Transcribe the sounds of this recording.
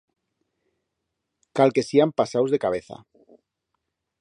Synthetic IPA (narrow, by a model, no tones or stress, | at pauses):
kalke̞siampasawzðekaβ̞e̞θa̰